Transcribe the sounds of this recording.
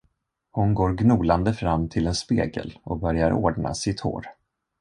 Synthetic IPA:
hʊnɡoːɾɡnuːland̪əfɾamːt̪ʰɪlɛnspḛːɡə̰lʔɔk̚bœɾjaɾo̰ːɖɳa̰sɪt̪ho̰ːɾ

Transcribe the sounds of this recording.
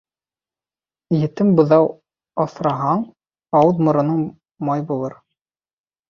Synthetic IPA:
jɘ̆t̪ɘmbɤ̆ðɑw | ɑθɾɑɦɑɴ | ɑwɤðmɤ̆ɾɤ̆nɤɴ | mɑjbulˠɤɾ

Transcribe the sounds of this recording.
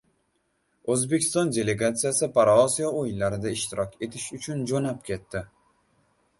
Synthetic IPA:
ɵzbe̞kʲʰɪ̥st̪ɒnd̪ʲe̞le̞ɡat̪sijasɪpʰaɾaɒsijaojɪnlaɾɪd̪aɪʃt̪ɪɾɒkʲe̞t̪ʰɪʃʊt͡ʃʰʊnd͡ʒonap̚kʲʰe̞t̪ʰːɪ

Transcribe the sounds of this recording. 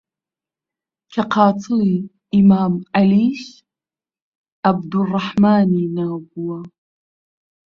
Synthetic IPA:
kʲʰaqʰɑːtʰɨli | imaːmaliʃ | ʔab̚d̪urˤːɑħmaːninaːɡuwa

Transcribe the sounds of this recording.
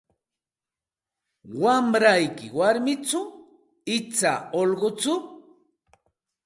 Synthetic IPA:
wamɾajkɪwaɾmɪt͡sʊ | ɪt͡sa̰olɢot͡sʊ

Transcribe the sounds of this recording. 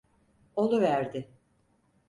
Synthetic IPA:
o̞lˠuvæɾd̪ɪ

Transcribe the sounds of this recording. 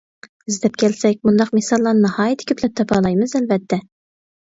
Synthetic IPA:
ɪzd̪ɛp̚kʲʰɛlsɛk̚ʲmund̪ɑqmesɑlˠːɑnɨnɑhɑːjit̪ʰːɪ̥kʲʰøplɛp̚t̪ʰɑpʰɑlˠɑjmɨzælvɛt̪ʰːɛ

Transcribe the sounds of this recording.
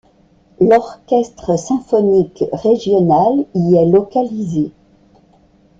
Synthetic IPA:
lɔʁkʲɛst̪χəsɛ̃fɔnikʁeʒjɔnaliɛlɔkalize

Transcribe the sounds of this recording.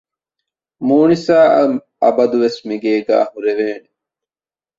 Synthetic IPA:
muːnisaː | ɐ̰bɐd̪uʋesmiɡeːɡæ̰ːɦuɾeʋeːne

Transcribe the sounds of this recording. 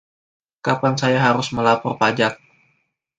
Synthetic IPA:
kapansajaɦaɾʊsməlapɔrpad͡ʒak̚

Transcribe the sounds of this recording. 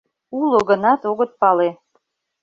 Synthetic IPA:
uloɣənɑt̪oɣət̪̚pɑle

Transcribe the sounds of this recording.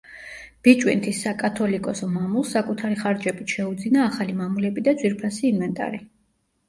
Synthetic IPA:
b̥it͡ʃʼwḭnt̪ʰisːakʼat̪ʰɔlikʼɔsɔmamulˠsːakʼut̪ʰaɾiχaɾd͡ʒɛbit̪ʃɛud̪zinaːχalimamulɛbid̪ad̪zwiɾpʰasiːnvɛnt̪ʼa̰ɾi

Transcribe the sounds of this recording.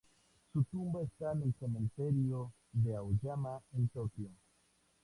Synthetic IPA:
sutumbestanenkomenteɾio | deawd͡ʒamaentokio

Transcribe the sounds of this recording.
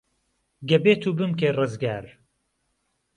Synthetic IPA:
ɡɐbeːt̪ʰuːbɨmkeːrɨzɡaːɾ

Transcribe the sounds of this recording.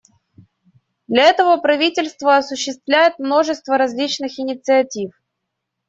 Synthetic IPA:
d̪lʲɐɛt̪əvəpɾɐvʲitʲɪlʲst̪vəɐsʊɕːɪst̪vlʲæjɪt̪̚mno̞ʐɨst̪vəɾɐzʲlʲit͡ɕnɨxɪnʲɪt̪sɨɐtʲif

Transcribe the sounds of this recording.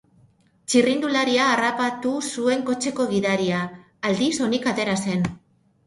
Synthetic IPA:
t͡ʃirind̪ulaɾiaːrapat̪usue̞ŋko̞t͡ʃe̞ko̞ɣ̞iðaɾiaː | ld̪iso̞nikat̪e̞ɾase̞n

